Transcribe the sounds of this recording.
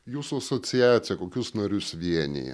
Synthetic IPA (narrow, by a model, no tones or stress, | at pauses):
juːsʊɐsɔt̪sʲɪjæːt̪sʲɪjɛkoːkʲʊsnɐɾʲʊsʋʲiɛnʲɪ̰jɛ̰